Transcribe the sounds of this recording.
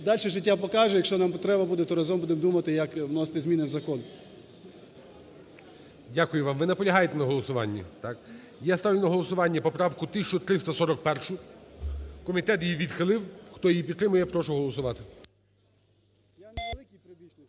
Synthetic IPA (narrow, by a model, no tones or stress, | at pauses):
d̪ɑlʲʃɛʒɪtʲːapɔkɑʒʊjɐkʃt͡ʃɔnampɔt̪ɾɛbɐbud̪ɛt̪ɔɾɐzɔmbud̪emd̪umɐt̪ɪjɐkwnɔst̪ɪzʲmʲinɪwzɐkɔn | dʲakʊjʊʋɑmʋɪnɐpɔlʲɐɦɑjet̪ɛnɐɦɔlˠɔsʊʋɑ̰nʲːɐ̰t̪ɑk | jast̪ɑʋʲlʲɪnɐɦɔlˠɔsʊʋɑnʲːɐpɔpɾɑwkʊt̪ɪsʲt͡ʃʊt̪ɾɪst̪ɐsɔɾɔk̚pɛrʃʊ | kɔmʲit̪ɛt̪jiʋʲid̪xɪlˠɪwxt̪ɔjijipʲid̪t̪ːɾɪmʊjɛpɾɔʃʊɦɔlˠɔsʊʋɑt̪ɪ